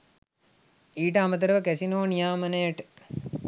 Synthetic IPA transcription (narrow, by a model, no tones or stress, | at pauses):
iːʈəamət̪əɾəʋəkæsinoːnijaːmənəjəʈə̥